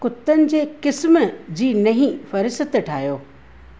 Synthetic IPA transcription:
kʊt̪ːənɪ̆d͡ʑeːkɪsmd͡ʑiːnɐɦĩfɐɾɪsət̪ʈʰaːijoː

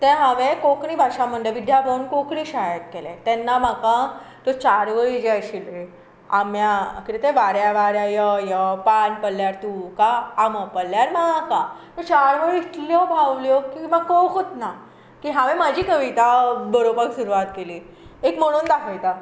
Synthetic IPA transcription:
t̪ɛ̃ɦãʋẽkokɳiːbʱaʂaməɳɖəʋid̪ʱjabʱaunkokɳiːɕaɦjat̪̚kelḛ̃t̪ɛnːamakã | t̪ɔt͡ɕaɾʋəɭid͡ʑeaɕile | amjakit̪et̪ẽʋaɾjaʋaɾjajəjəpanpəlːjaɾt̪ukaːməpəlːjaɾmaakat̪ət͡ɕaɾʋəɾiit̪ljɔbʱaʋljokiməɡkokot̪na | kiɦãʋẽmad͡ʑʱiːkəʋit̪abəɾobaksuɾuʋat̪keliː | ekm̤əɽ̃uːnd̪aɦʰəjt̪a

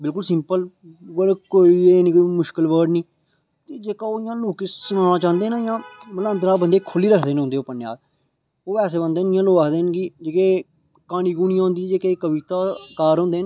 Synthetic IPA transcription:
bɪlkʊlsɪ̃mpəlʋəɽkoːiːeːniːkoːmʊʃkəlʋəːɾɖniː | t̪eːd͡ʒeːkaːoːɪjãːloːkeːsʊnãːnãːt͡ʃãːnd̪eːnãːjãːməlãənd̪ɾaːbənd̪eːkʰʊliːɾəkʰd̪eːneɦʊ̃nd̪eːoːpənːja̰ːɾ | oːpɛːseːbənd̪eːnɪjãːloːaːkʰd̪eːnɡiːd͡ʒeːkeː | kaːniːɡunɪjãːɦʊ̃nd̪iãd͡ʒeːkeːkəʋiːt̪aːkaːɾɦõːnd̪eːn

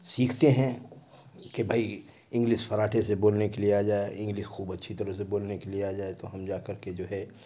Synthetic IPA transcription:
siːkʰt̪eɦɛ̃ | kebʱaːi | ɪ̃ŋɡliʃfɐɾaːʈʰeseboːlnekelieaːd͡ʒaːeʔɪ̃ŋɡliʃxuːbɐtːʃʰit̪ɐɾəseboːlnekelieaːd͡ʒaːet̪oɦɐmd͡ʒaːkɐɾked͡ʒoːɦɛ

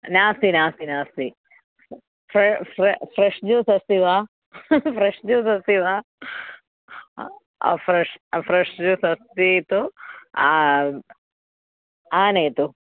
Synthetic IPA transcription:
naːst̪inaːst̪inaːst̪i | fɾɾfɾeʂd͡ʒuːsɐst̪iʋaː | fʰɾeʂd͡ʒuːsɐst̪iʋaː | a̰fɾeʂfɾeʂd͡ʒusɐst̪it̪ua | aːnejt̪u

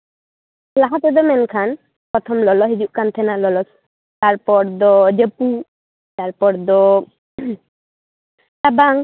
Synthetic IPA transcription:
laɦat̪ɛd̪ɔmɛnkʰan | pɾɔt̪ʰɔmlɔlɔɦid͡ʒuʔkant̪ʰɛnalɔlɔs | t̪aɾpɔɾd̪ɔd͡ʒepu | t̪aɾpɔɾd̪ɔ | t̪abaŋ

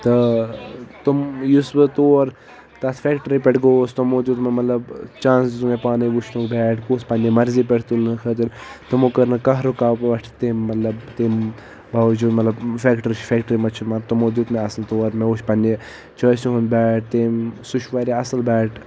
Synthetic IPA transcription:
t̪ɐ | t̪umjusbɨt̪oːɾ | t̪ɐt̪ʰfekʈəɾipeʈɡoːst̪umod̪uːt̪mɐmɐt̪lɐbt͡ʃãːnsd͡ʒit̪umepaːniʋut͡ʃʰnukbɛːʈʰɡoːspɐndimɐɾzipɛʈʰt̪ulnɨkʰɐt̪ɨɾt̪umokɐɾnɨkɐɦɾokaːpʋɐʈʰt̪eːmːɐt̪lɐbt̪eːm | bʱɐʋd͡ʒuːd̪mɐt̪lɐbfeːkʈɐɾʃfʰeːkʈəɾimɐt͡ʃʰimɐɾt̪umod̪uːt̪meɐsnt̪oːɾmeuʃʰpɐnʲe | t͡ʃɐːsuɦunbɛːʈ̚ʰt̪eːmsuʃʰʋaːɾʲiɐsɐlbɛːʈ

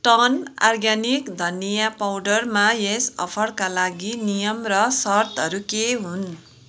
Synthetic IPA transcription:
ʈʌna̰rɡjanikd̪ʱʌnːijapawɖʌrmajesʌ̰pʰʌɽkalaɡinijʌmrʌsʌrt̪ʌɾukeɦun

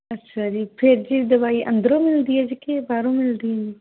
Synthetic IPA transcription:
ɐtːʃʰad͡ʒiːpʰeɾd͡ʒiːd̪ɐbaːiʔɐ̰̃nd̪ɾõːmɪld̪iːɛd͡ʒikebaːɾõmɪld̪ĩi

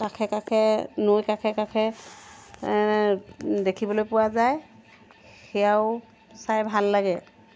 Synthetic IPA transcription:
kakʰɛkakʰɛnojkakʰɛkakʰɛ | dekʰibɔlojpʊwazaj | xɛjaʊ | sajbʱalːaɡɛ

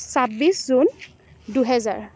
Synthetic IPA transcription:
sabiszun | duɦɛza̰ɹ

